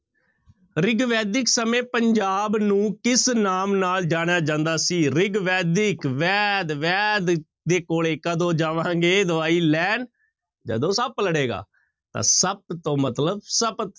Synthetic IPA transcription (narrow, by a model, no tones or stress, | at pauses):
ɾɪɡʋɛːd̪ɪksəmẽːpəɲd͡ʒaːbnũːkɪsnaːmnaːld͡ʒaːɽ̃jaːd͡ʒãːnd̪aːsiːɾɪɡʋɛːd̪ɪkʋɛːd̪ʋɛːd̪ | d̪eːkoːleːkəd̪õːd͡ʒaːʋãːŋɡeːd̪ʊʋaːiːlɛːn | d͡ʒə̰d̪õːsəpləɽeːɡa̰ː | t̪ã̰ːsəb̚t̪õːmət̪ləbsəbt̪